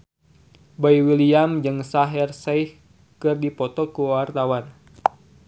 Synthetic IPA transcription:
bajwiliamd͡ʒɨŋsaɦɛrsajh | kɨrdipɔt̪ɔkuwart̪awan

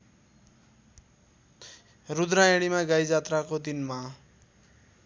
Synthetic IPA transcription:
rud̪ɾajeɽ̃imaɡajd͡zat̪rakod̪inma

